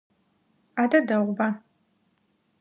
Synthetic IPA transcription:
aːdɐdɐʁʷbɐ

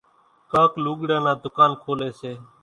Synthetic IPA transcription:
kaːkluːɠɽãːnãːd̪ʊkaːnkʰoːleːseː

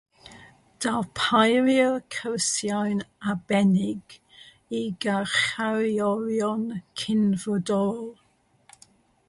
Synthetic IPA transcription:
d̥alpʰajɾjəkʰəwsjawnabɛnɪɡ | iɡaχaɾiɔɾjɔnkʰɪnvɔdɔlˠ

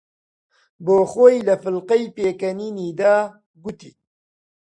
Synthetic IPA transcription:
boːxoːjlɐfɨlqɛjpeːkɐniːniːd̪aː | ɡut̪ḭː

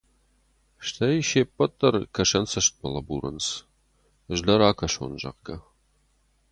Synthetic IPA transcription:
ʃt̪ʰɐjʃepːɐt̪ʼːɐrkʰɐʃɐnsɐʃt̪̚bɐlɐbuɾɨ̰ns | ʒdɐɾaːkʰɐʃo̰nʒɐ̰qɡɐ

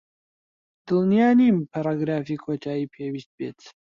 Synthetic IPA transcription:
d̪̥ɨlˠnijaːnimpʰaɾˤaːɡɾaːfiːkʰoːt̪ʰaːjiːpʰewist̪̚bḛːt̪

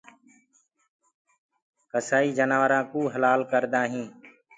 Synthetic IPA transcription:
kəsaːiːd͡ʒənaːʋəɾãːkuːɦəlaːlkəɾd̪aːɦĩː

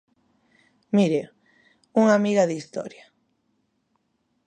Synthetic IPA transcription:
miɾe | uŋamiɣaðist̪ɔ̰ɾja

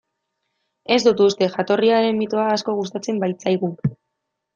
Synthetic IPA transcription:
e̞zd̪ut̪ust̪e̞ʝat̪o̞riaɾe̞mmit̪oaːsko̞ɣust̪at͡se̞mbajt͡sajɣu

